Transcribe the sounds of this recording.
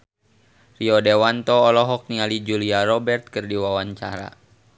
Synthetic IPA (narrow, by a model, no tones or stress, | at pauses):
riɔdewant̪ɔːlɔɦɔk̚niŋalid͡ʒuliaɾɔbɛrt̪̚kɨrdiwawaɲt͡ʃaɾa̰